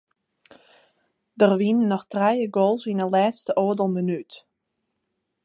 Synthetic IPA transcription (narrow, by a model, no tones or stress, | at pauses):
dərʋinnːɔxtrɛjəɡoːlˠsinəlɛːstəʔoədəlˠmənyt